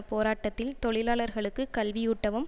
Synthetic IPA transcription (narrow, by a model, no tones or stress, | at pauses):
poːɾaːʈːɐt̪ːɪlt̪ɔɭɪlaːɭɐɾɣɐɭɯkːɯkɐlʋɪjʊʈːɐʋɯm